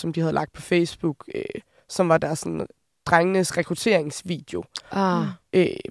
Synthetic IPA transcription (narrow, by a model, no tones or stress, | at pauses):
sɒ̽md̥ihæð̞̩ˠlɑ̈ɡ̥d̥̚pʰɒ̽feɪsb̥uɡ̥ø | sɒ̽mʋɑ̈d̥æɐsːɒ̽nn̩ | d̥ʁaŋənəsʁɛkʰʁut͡sʰe̝ɐ̰e̝ŋsʋḭːd̥e̝o̝ | ʔøː